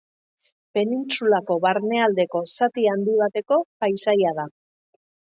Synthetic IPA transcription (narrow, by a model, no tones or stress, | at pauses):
pe̞nint͡sulako̞βaɾne̞ald̪e̞ko̞sat̪iand̪iβ̞at̪e̞ko̞pajsajað̞a